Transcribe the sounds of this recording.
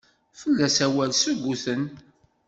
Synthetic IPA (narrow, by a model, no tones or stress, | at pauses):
fəlːæsæwælsəɡʷːuθən